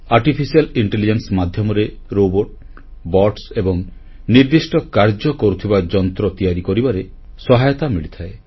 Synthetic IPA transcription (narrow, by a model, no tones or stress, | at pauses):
aɾʈipʰisialiɳʈelid͡ʒensmad̪ʱjɔmɔɾe | ɾoboʈ | bɔʈsebɔŋ | niɾd̪isʈɔkaɾd͡ʒɔkɔɾut̪ʰibad͡ʒɔnt̪ɾɔt̪ijaɾikɔɾibaɾe | sɔɦajɔt̪amiɭit̪ʰae